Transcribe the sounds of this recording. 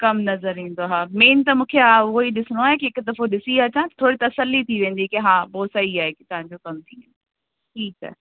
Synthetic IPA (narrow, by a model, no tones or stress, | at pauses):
kɐmnɐzəɾĩːn̆d̪oɦaːmeːnt̪ɐmũːkʰeaːoiɗɪsɪɽ̃oaːɦekɪɦɪkʊd̪ɐfoɗɪsiɐt͡ɕãt̪ɐt̪ʰoːɽit̪ɐsəlːit̪ʰiʋẽːn̆d̪ikeɦaːboːsɐiaːɦekɪ̥t̪ɐʋ̤ãɲd͡ʑokɐmt̪ʰiḛ̃n | ʈʰiːkɛ̰ː